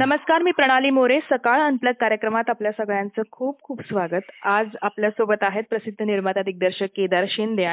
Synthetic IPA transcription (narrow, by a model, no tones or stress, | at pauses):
nəməskaɾmiːpɾəɽ̃aliːmoɾesəkaɭənpləɡ̚kːaɾjəkɾəmat̪apljasəɡɭjãnt͡səkʰuːb̚kʰuːpsʋaɡət̪ad͡zapljasobət̪aɦet̪̚pɾəsid̪ʱːəniɾmat̪ad̪ik̚d̪əɾɕəkːed̪əɾɕind̪eã